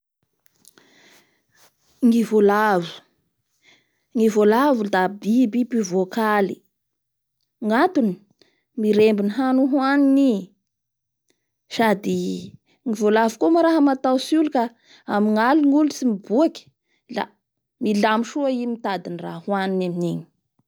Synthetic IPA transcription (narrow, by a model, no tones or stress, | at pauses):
ŋivolavu̥ | ŋivolavud̪abibipivokali̥ | ŋat̪uni̥ | miɾembiniɦanuɦwanini | sad̪i | ŋivolavukomaɾaɦəmat̪awsuluka | amiŋaliŋulusimibuaki̥ | la̰ | milamiʃuaimit̪ad̪inirahwaninaminini̥